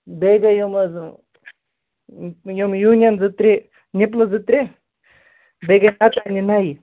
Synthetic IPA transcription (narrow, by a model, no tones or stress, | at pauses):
beɡɐjumɐz | jumjuːnʲjɐnzɨt̪ɾi | nip̬lɐd͡zɨt̪ɾi | beɡɐnat̪aninai